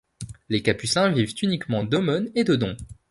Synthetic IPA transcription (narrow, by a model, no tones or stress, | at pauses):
lekapysɛ̃vivt̪ynikmɑ̃d̪ɔmɔned̪əd̪ɔ̃